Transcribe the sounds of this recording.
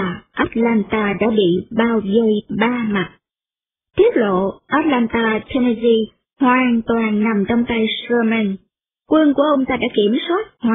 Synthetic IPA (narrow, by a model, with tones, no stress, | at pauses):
ʔaː˦˥t̚laː˧nt̪aː˧ɗa̰ː˧˥ɓḭ˧˨ɓaː˧wvə˧˩jɓaː˧ma˨˩t̚ | t̪ʰi˦˥ət̚lo̰˧˨ʔaː˦˥t̚laː˧nt̪aː˧t̪ʰe˧ne˧zi˧ | hwaː˨˩ŋt̪waː˨˩nna˨˩mt͡ɕɔ˧wŋ͡mt̪a˧jsɹə˧mɛ˧n | kwə˧nku˧˩əʔə˧wŋ͡mt̪aː˧ɗa̰ː˧˥ki˧˩əmswaː˦˥t̚haː˨